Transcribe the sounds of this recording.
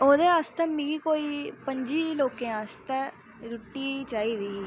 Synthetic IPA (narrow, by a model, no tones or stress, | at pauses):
oːd̪eːaːst̪ɛːmĩɡiːkoːiːpəɲd͡ʒiːloːkẽːaːst̪ɛː | ɾʊʈːiːt͡ʃaːiːd̪iː